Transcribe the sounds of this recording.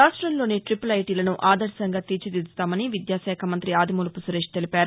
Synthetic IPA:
aːsʂʈɾɐmlo̞ːneʈɾipulɐjʈiːlɐnuʔaːd̪ɐɾsɐŋɡaːt̪it͡ʃid̪id̪ut̪aːmɐniʋid̪jaːʃɛːkʰɐmɐnt̪ɾiaːd̪ʱimuːlɐpusuɾeːʂʈ̚t̪elipaːɾu

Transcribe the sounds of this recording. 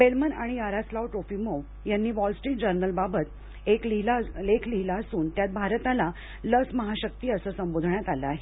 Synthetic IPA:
belmənaɽ̃iaɾaslawʈɾofiːməw | janːiːʋɔlsʈɾiːʈ̚d͡ʑəɾnəlbabət̪ | eklilalekʰliɦilaəsuːnt̪jat̪̚bʱaɾt̪ala | ləsməɦaɕək̚t̪iːəsəːsəmbod̪ʱɳjat̪aləaɦe

